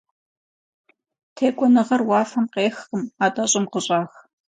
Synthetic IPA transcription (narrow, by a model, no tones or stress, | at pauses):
tʰeːkʷʼɔnɨʁɐrwɑːfɐmqeːxəmaːtʼɐɕʼɪmqəɕʼɑːx